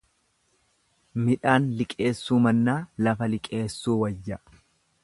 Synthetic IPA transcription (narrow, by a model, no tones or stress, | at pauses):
mɪᶑaːnlɪkʼe̞ːsːuːmɐnːaːlɐfɐlɪkʼe̞ːsːuːwɐjːɐ